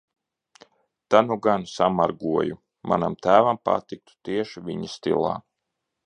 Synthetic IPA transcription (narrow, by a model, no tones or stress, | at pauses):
t̪anuɡansamaɾɡuɔju | ma̰namt̪æːvampa̰t̪ik̚t̪u̥t̪iɛʃivʲiɲist̪ḭlˠa̰ː